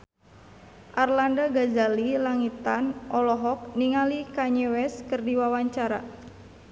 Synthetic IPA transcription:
ʔarlandaɡazalilaŋit̪anʔɔlɔɦɔk̚niŋalikaɲɛwɛskərdiwawaɲt͡ʃaɾa

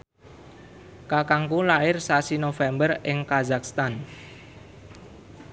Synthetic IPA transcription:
kakaŋkulaɪrsasinofɛmbərɪŋkazak̚st̪an

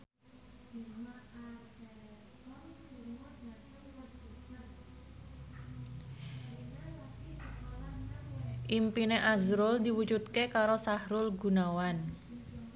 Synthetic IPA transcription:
ʔimpineʔazɾʊld̪iwud͡ʒut̪̚kekaɾosahɾʊlɡunawan

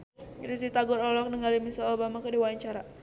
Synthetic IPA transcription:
dis̬it̪aɡɔɾɔlɔk̚nəŋalimisaobamakədiwaɲt͡ʃaɾa

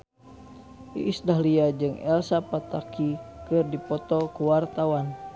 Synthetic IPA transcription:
ʔḭʔːsdaɦliad͡ʒɨŋɛ̰lsapat̪akikɨrdipɔt̪ɔkuwart̪awan

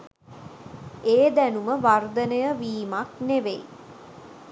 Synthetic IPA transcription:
eːd̪ænuməʋard̪ənəjəʋiːmakneʋḛj

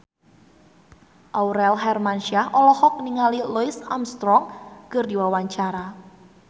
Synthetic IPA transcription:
ʔawɾɛlɦɛrmanʃiaɦʔɔlɔhɔk̚niŋaliloisamst̪ɾɔŋkərdiwawaɲt͡ʃaɾa

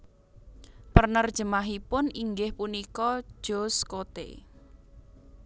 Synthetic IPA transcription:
pərnərd̥ʒ̥əmaɦipʊniŋɡɪhpunikɔ̥ʒ̥oskot̪ḛ

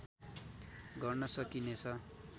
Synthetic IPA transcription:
ɡʌrnʌsʌkinet͡sʰʌ

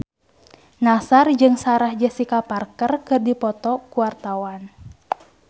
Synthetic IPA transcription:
nasard͡ʒɨŋsaɾahd͡ʒəsikaparkərkɨrdipɔt̪ɔkuart̪awan

